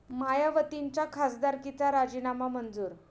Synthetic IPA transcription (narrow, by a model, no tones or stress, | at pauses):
majaʋət̪iɲt͡ɕjakʰasd̪aɾkit͡saɾad͡ʑinamamənd͡zuːɾ